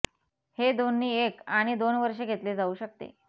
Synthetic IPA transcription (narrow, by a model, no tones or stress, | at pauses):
hed̪onːiːekaɽ̃id̪onʋəɾʂeɡʱet̪led͡zauːɕək̚t̪ḛ